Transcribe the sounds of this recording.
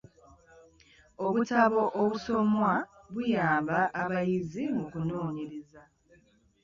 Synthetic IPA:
oβutaβo̞ʔoβuso̞mwa | βujaːmbaʔːβajizimukuno̞ːɲeɾeza

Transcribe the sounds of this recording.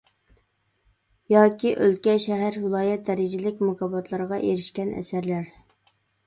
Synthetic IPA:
jɑːkʲiʔølkʲɛʃɛɦæɾvɨlˠɑːjɛt̪̚d̪ɛɾɪd͡ʒɪlɪkʲmʊkʰɑbɑt̪ʰlˠɑɾʁɑʔeɾɪʃkʲɛnʔɛ̰sæɾlæɾ

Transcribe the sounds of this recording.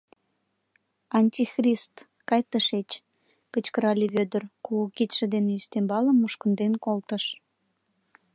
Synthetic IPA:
ɑnʲtʲixrʲist̪ | kɑjt̪əʃet͡ɕ | kət͡ɕkəɾɑlʲiβød̪ərkukit̪ʲʃə̆d̪eneyst̪embɑləmːuʃkənd̪enkolt̪əʃ

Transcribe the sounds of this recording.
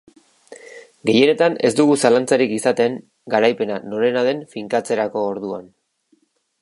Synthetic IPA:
ɡe̞je̞ne̞t̪ane̞̰zd̪uɣusalant͡saɾikisat̪e̞ŋ | ɡaɾajpe̞nano̞ɾe̞naðe̞ɱfiŋkat͡se̞ɾako̞ːɾðuan

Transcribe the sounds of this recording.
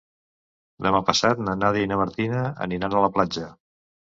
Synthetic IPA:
d̪əmapəsat̪nənaðiinəməɾt̪inəə̰ninanələplad͡ʒə

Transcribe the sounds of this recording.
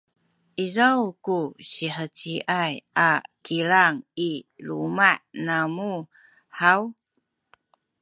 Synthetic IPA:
ʔizawkuɕiħət͡ɕiʔajakilaŋilumaʔnamu | ħaw

